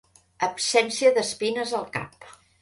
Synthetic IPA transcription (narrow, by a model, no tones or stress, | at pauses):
əpsɛnsiəðəspinəzəlˠka̰p̚